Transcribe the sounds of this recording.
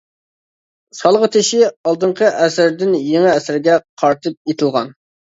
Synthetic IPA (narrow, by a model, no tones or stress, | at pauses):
sɑlˠʁət̪ʰɪʃɪɑlˠd̪ɨɴqʰəʔɛsɪɾd̪ɪnjeŋɪɛsɪɾɡʲɛqʰɑɾt̪ʰɨp̚et̪ʰɪlˠʁɑ̰n